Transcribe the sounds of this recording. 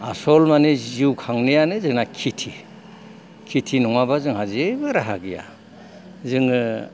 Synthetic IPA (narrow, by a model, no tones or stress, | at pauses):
a̰sɔlmaniziwkʰaŋnejanɯzɯŋnakʰitʰi | kʰitʰinɔŋabazɯŋhazebɯɾaɦaɡija̰ | zɯŋɯ